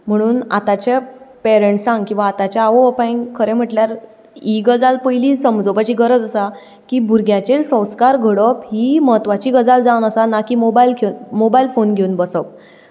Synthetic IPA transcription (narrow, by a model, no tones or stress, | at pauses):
m̤əɽ̃uːna̰t̪at͡ɕepɛɾeɳʈsãŋɡkĩw̃ʋaːt̪at͡ɕaaʋoəpajŋkʰəɾɛ̃m̤əʈljaɾ | iɡəd͡zalpəjlisəmd͡zopət͡ɕiɡəɾəd͡zəsa | kibʱuɾɡʱjat͡ɕelsə̃w̃skaɾɡʱəɽəphiməɦət̪ʋat͡ɕiːɡəd͡zald͡zawnəsanakiːmobailkʰeunmobailfonɡʱeunbəsəp